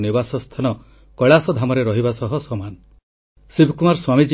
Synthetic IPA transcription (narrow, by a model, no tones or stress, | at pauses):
nibasɔst̪ʰanɔ | kɔɭasɔd̪ʱamɔɾeɾɔɦibasɔɦɔsɔman | sibʱkumaɾswamid͡ʒi